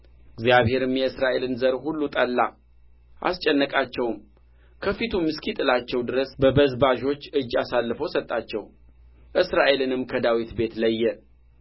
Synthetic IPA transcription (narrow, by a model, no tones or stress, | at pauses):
ɨɡzijaβhe̞ɾɨmjɛɨsɾaʔe̞lɨnzəɾhulːut̪ʼəlːa̰ | ʔa̰st͡ʃʼɛnːəkʼat͡ʃːɛwm | kʰəfit̪ʰumːɨskʰit̪ʼɨlat͡ʃːɛwd̪ɨɾəsbəbəzbaʒo̞t͡ʃːɨd͡ʒːasalːɨfo̞sət̪ʼːat͡ʃːɛw | ʔɨsɾaʔe̞lɨnɨmkʰəd̪awit̪be̞t̪ləjːɛ